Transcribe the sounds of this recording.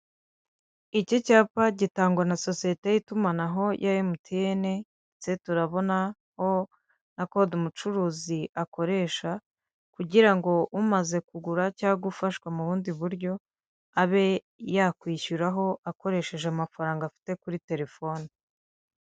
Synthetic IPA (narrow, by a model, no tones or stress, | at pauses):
icocaːpaɟitaːŋɡwanaso̞sije̞te̞jitumanaɦo̞jʔajimutʰijene̞ | t͡se̞tuɾaβo̞na | ho̞ | nakodumut͡ʃuɾuːziʔako̞ɾe̞ːʃa | kuɟiɾaŋɡo̞ʔumaze̞kuɡuɾacaːɡufaʃkwamuβuːndiβuɾɟo̞ | aβe̞ | jakwiːçuɾaɦo̞ʔako̞ɾe̞ʃe̞ʒeamafaɾaːŋɡafi̥te̞kuɾite̞ɾe̞fo̞ni